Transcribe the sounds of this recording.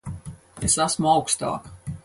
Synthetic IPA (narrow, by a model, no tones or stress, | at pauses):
esæsmuawkst̪ɑ̰ːk